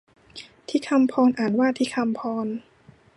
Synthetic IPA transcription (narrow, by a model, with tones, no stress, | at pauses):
t̪ʰiː˧˥˩kʰa˧mpʰɔː˧nʔaː˨˩nwaː˥˩t̪ʰiː˧˥˩kʰa˧mpʰɔː˧n